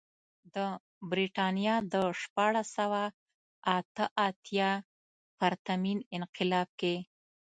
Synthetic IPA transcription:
d̪ə | bɾiʈɑnjɑd̪əʃpɑɽasawa | at̪əʔat̪jɑ | faɾt̪aminɪnqɪlɑb̚ke

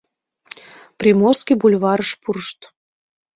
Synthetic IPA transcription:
prʲimorskʲijbulʲvɑɾəʃpuɾəʃt̪

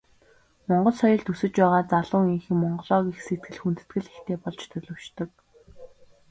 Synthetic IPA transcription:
mɔɴɢɞ̆ɮsɔjɞ̆ɮt̪usɘ̆t͡ɕpæːʁaːt͡saɮʊːŋiŋxɘ̆ŋmɔɴɢɞ̆ɮɔːɣiːxset̪̚ɡɘ̆ɮxunt̪ɘ̥̆t̪ɡɘ̆ɮext̪eːpɔɮt͡ɕt̪ʰɵɮɵ̆wt͡ɕt̪ɵ̆k̚

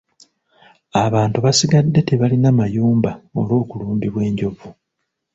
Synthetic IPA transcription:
aβaːntuβasiɡadːe̞te̞βalinamajuːmbao̞̰lwo̞ːkuluːmbiβwe̞ːɲɟo̞vu

